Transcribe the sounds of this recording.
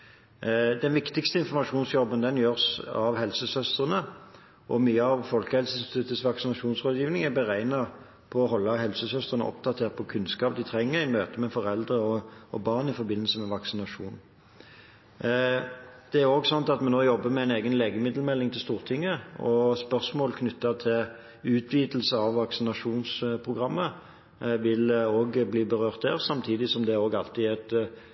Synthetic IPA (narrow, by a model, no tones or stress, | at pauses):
d̪ɛnʋɪkt̪ɪkst̪əɪnfɔʁmɑʂuːnsjɔbənd̪ɛnjøːʁsɑʋhɛlsəsœst̪ʁənə | ʔɔmyːəɑʋfɔlkəhɛlsəst̪ʰʉt̪ːəsʋɑksɪnɑʂuːnsʁoːd̪jiːʋnɪŋæbəʁæɪnɑ | pʰɔɔɦɔlːəɦɛlsəsœst̪ʁənə̰ɔ̰p̚d̪ɑt̪ʰeːʁt̪̚pʰɔkʰʉnskɑːp̚d̪ɪt̪ʰʁɛŋːəɾɪmøːt̪əmɛfɔʁɛld̪ʁəɔɔbɑːʁnɪfɔɾbɪnːəsəmɛʋɑksɪnɑʂuːn | d̪̥ɛæʁoːɡsɑnt̪ɑt̪mɛnoːjɔbːəmɛæɪneːɡənleːɡəmɪd̪l̩mɛlːɪŋt̪ʰɪlst̪uːʁt̪ʰɪŋːəɔspœʁsmoːlkʰnʏt̪ːɑt̪ʰɪl | ʉːt̪ʰʋiːt̪l̩səɑʋːɑksɪnɑʂuːnspʰʁʊɡʁɑmːə | ʋɪloːɡbliːbəʁøːʁt̪̚d̪æːʁsɑmt̪ʰiːd̪ɪsɔmd̪ɛoːɡɑlt̪ɪæt̪